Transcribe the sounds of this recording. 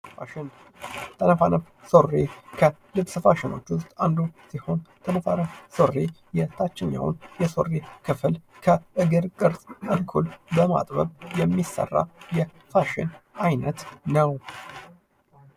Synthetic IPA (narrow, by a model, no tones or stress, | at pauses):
fa̰ʃɪn | t̪ʰənəfanəf | so̞rːekʰəlɨbsɨfaʃɪno̞̰t͡ʃːʊst̪ʼand̪usiho̞nt̪ʰənəfa̰nəfso̞rːe | jɛt̪ʰat͡ʃːɪnja̰wṵnjɛso̞̰rːekʰɨflkʰəʔɨɡɨɾkʼɨɾsʼkʼəlkʰulbəma̰t̪ʼbə̰bjɛmːisːə̰rːa̰jɛ | faʃɪ̰najnət̪nəw